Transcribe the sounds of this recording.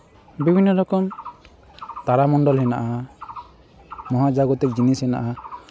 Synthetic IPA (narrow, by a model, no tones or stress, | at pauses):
bibʱinːɔɾɔkɔm | t̪aɾamɔɳɖɔlɦɛnaʔa | mɔɦad͡ʒaɡɔt̪ik̚d͡ʒinisɦɛna̰ʔa